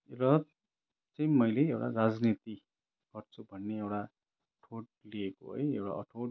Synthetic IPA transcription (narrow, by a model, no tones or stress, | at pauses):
ewɽa | t͡saj̃mʌjleewɽa̰rad͡znit̪i | ɡ̥ʌrt͡sʰubʱʌnːeewɽa | ʈʰoʈ̚lieko̰ɦʌ̰jḛwɽa̰ʔʌ̰ʈʰoʈ